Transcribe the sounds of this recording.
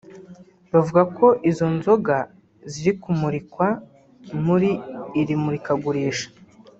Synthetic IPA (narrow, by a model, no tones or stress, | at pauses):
bavuɡakʰo̞ʔizo̞nzo̞ɡa | ziɾikumuɾikwa | muɾiːɾimuɾikaɡuɾiːʃḁ